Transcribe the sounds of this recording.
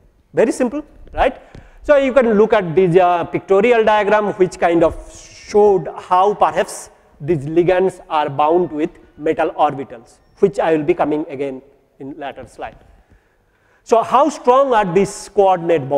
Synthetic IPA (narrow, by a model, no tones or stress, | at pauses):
ʋeɾisɪ̃mpəl | ɾaɪʈ | sojukɛ̃nlʊkɛʈ̚d̪ispɪk̚ʈoːɾiəlɖaɪəɡɾãːmhwɪt͡ʃkãɪ̃ɳɖɔʋʃoːɖhaʊpɐɾɦɛps | d̪izliɡə̃nsaːɾbãʊ̃ɳɖwɪd̪ʰ | meʈəlɔːɾbiʈəls | wɪt͡ʃaɪʋɪlbikʌmɪ̃ŋəɡẽn | ɪ̃nlæʈəɾsla̰ɪɖ̚ | sohaʊsʈɾɔ̃ːŋaːɾd̪iskɔɾɖneʈ̚bo